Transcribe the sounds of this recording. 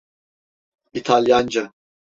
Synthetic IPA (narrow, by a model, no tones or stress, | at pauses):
it̪ʰalʲjand͡ʒa